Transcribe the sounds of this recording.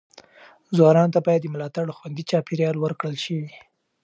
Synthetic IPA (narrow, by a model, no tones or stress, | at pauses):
zwɑnɑnt̪abɑjad̪ːəmʊlɑt̪aɽoxwand̪it͡ʃɑpeɾjɑlwəɾkɽəlʃəwi